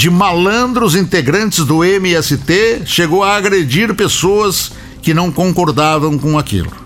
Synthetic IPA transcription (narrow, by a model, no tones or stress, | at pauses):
d͡ʒɪmalɐ̃nd̪ɾʊzĩnt̪eɡɾɐ̃nt͡ʃɪzd̪ʊemɪɛsɪt̪eʃeɡowaːɡɾed͡ʒiɾpesoɐs | kɪnɐ̃w̃kõŋkoɾd̪avɐ̃w̃kõakḭlʊ̰